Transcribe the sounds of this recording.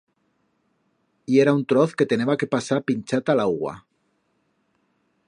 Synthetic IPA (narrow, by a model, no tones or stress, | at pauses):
ieɾaunt̪ɾoθke̞t̪eneβake̞pasaɾpinʲt͡ʃat̪alaɣwa̰